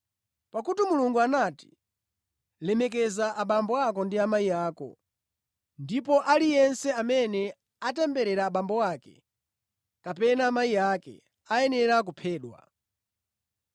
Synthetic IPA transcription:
pakutimuluŋɡuanati̥ | lɛmɛk̬ɛzaʔaɓambɔakɔndiamajijaːkɔ̰ | ndipɔʔalijɛnsɛamɛnɛ | atɛmbɛɾɛɾaːɓambɔwaːkɛ̰ | kapɛnaːmaijakɛ̰ | ajɛnɛɾak̬upʰɛːɗwa̰

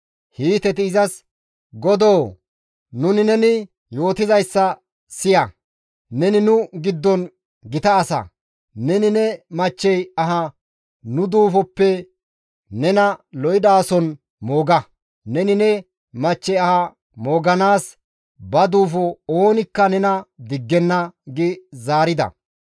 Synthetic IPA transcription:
hiːt̪ɛt̪̬ɪːzɐs | ɡɔd̪oː | nʊnɪnɛnɪ | jo̞ːt̪ɪzɐjsːɐ | sɪjɐ | nɛnɪnʊɡɪd̪ːɔn | ɡɪt̪ɐːsɐ̰ | nɛnɪnɛmɐt͡ʃːɛjɐɦɐ | nʊd̪uːfɔpːɛ | nɛnɐlɔjɪd̪aːsɔn | moːɡɐ | nɛnɪnɛ | mɐt͡ʃːɛjɐhɐ | mo̞ːɡɐnaːs | bɐd̪uːfɔoːnɪkːɐnɛnɐd̪ɪɡːɛnːɐɡɪzaːɾɪd̪ɐ̰

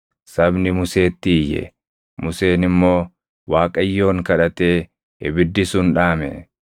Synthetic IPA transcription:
sɐbnɪmʊse̞ːt̪ːɪːjːɛ̰ | mʊse̞ːnɪmːo̞ː | waːkʼɐjːo̞ːŋkɐᶑɐt̪e̞ː | ɪbɪd̪ːɪsʊnᶑaːmɛ̰

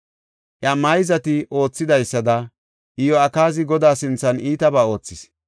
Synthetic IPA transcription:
ʔjɐmɐjɪzɐt̪ɪʔo̞ːt͡sːɪd̪ɐjsːɐd̪ɐ | ʔɪjɔɐkaːzɪɡɔd̪aːsɪnt͡sːɐniːt̪ɐbaːo̞ːt͡sːɪs

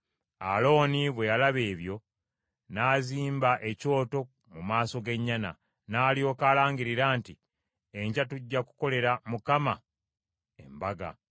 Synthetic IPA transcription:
alo̞ːniβwe̞jalaβe̞ːβjo̞ | naːziːmbaʔe̞co̞ːto̞ | mumaːso̞ɡe̞ɲːana̰ | naːlio̞ːkaːlaːɲɡiɾiɾaːnti | eɲɟatuɟːaku̥ko̞le̞ɾamukama | e̞̰mbaɡa̰

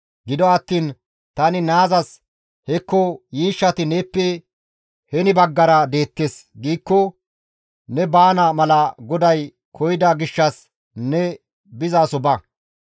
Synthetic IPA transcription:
ɡɪd̪ɔɐt̪ːiːn | t̪ɐnɪnaːzɐs | hɛkːɔjiːʃːɐt̪ɪneːpːɛ | hɛnɪbɐɡːɐɾɐd̪e̞ːt̪ːeːsɡiːkːɔ | nɛbaːnɐmɐlɐɡɔd̪ɐj | kʰɔjd̪ɐɡɪʃːɐs | nɛ | bɪzaːsɔbɐ

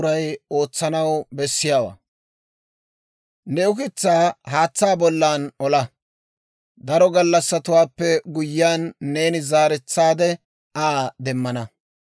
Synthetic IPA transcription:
ɾɐjo̞ːt͡sːɐnɐwbɛsːɪjaːwa̰ː | nɛʊkɪt͡sːaːɦaːt͡sːaːbɔlːaːnɔlɐ | d̪ɐɾɔɡɐlːɐsːɐt̪ʊwaːpːɛɡʊjːɪaːnːe̞ːnɪzaːɾɛt͡sːaːd̪ɛ | aːd̪ɛmːɐnɐ

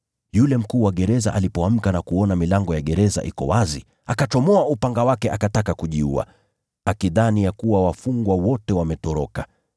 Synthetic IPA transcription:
julɛm̩kuːwaɠɛɾɛza̰ʔalipɔam̩kanakuɔnamilaŋɡɔjaɠɛɾɛza̰ʔikɔ̰wazi | akat͡ʃɔmɔaupaŋɡawakɛʔakatakakuʄiua̰ | akiðanijakuwawafuŋɡwawɔtɛwamɛtɔɾɔka

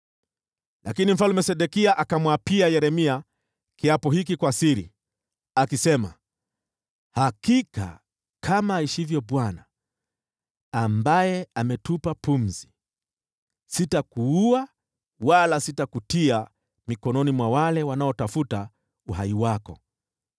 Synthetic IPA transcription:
lʔakinim̩falumɛsɛɗɛkiaʔakamwapiajɛɾɛmia | kiapɔhikikwasiɾḭ | akisɛma | hakika̰ | kʰamaiʃivjɔɓwana | mbajɛamɛtupapum̩zi | sitakuua | walasitakutia | mikɔnɔnimwawalɛwanaɔtafuta | uhaiwakɔ̰

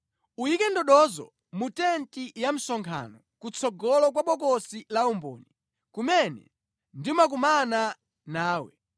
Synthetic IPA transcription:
ujikɛndɔɗɔzɔ̰ | mutɛntijam̩sɔŋkʰa̰nɔ | kut͡sʰɔɡɔlɔkwaɓɔkɔsilaumbɔ̰ːni | kumɛnɛ̰ | ndiumak̬umana | naːwɛ̰

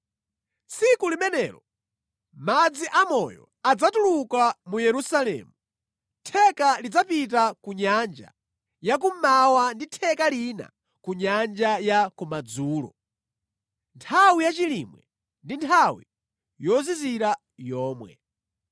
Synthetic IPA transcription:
t͡sikulimɛnɛːɾɔ | mad͡ziʔamɔjɔ̰ | ad͡zatulukamujɛɾusalɛ̰ːmu | tʰɛkalid͡zapit̬akuɲand͡ʒa̰ | jak̬ummawanditʰɛkalina̰ | kuɲand͡ʒajakumad͡zuːlɔ̰ | ntʰawijat͡ʃilimwɛ̰ | ndintʰawḭ | jɔziziɾa | jɔːmwɛ̰

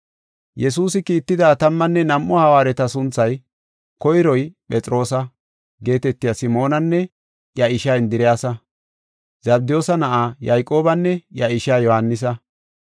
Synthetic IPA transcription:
jɛs̬uːsɪkiːt̪ːɪd̪aːt̪ɐmːɐnːɛnɐmʔɔhɐwaːɾɛt̪ɐsʊnt͡sːɐj | kɔjɪɾɔjpʼɛt͡sʼɾo̞ːsɐ | ɡe̞ːt̪ɛt̪ːɪjasɪmo̞ːnɐnːɛ | jɐɪʃaːɪnd̪ɪɾɪjaːsɐ | zɐbd̪ɪjoːsɐnɐʔaːjajkʼo̞ːbɐnːɛjɐɪʃaːjɔhɐnːɪs̬ɐ

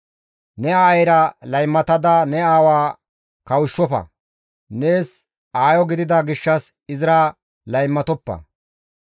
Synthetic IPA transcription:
nɛaːjɾɐlɐjmːɐt̪ɐd̪ɐnɛaːwaː | kɐwʊʃːɔfɐ̰ | ne̞ːs | aːjɔɡɪd̪ɪd̪aɡɪʃːɐs | ɪzɪɾaː | lɐjmːɐt̪ɔpːɐ̰

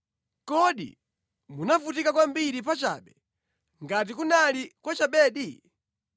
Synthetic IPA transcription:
kɔɗḭ | munafutikakwambiɾipat͡ʃa̰ɓɛ | ŋɡat̬ikunalikwat͡ʃaɓɛːɗi

